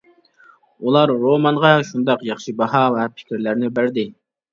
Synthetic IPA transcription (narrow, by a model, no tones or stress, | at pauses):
ulˠɑɾːomɑnʁɑʃund̪ɑqjɑχʃɨbɑɦɑvɛpʰɪ̥kʲiɾlæɾnɪbæɾd̪ɪ